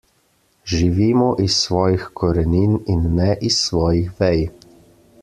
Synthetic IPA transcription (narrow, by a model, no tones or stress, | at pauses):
ʒiʋiːmɔʔisːʋɔːjixkʰɔɾɛniːninːɛʔisːʋɔːjixʋɛj